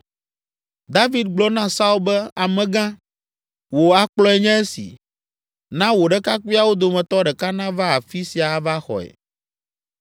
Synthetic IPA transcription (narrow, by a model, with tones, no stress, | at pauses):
d̪a˦vi˦d̪̚ɡ͡blɔ˦nã˦sa˦u˦lbɛ˦a˨mɛ̃˨ɡã˦ | wo˨a˨k͡plɔ˦ɛ˦˨ɲɛ̃˦e˦sḭ˨ | nã˦wo˨ɖɛ˦ka˦ku˦a˨wo˦d̪o˨mɛ̃˨t̪ɔ˦ɖɛ˨ka˦nã˦va˦a˨fi˦si˨a˨va˦xɔ̰˨ɛ̰˨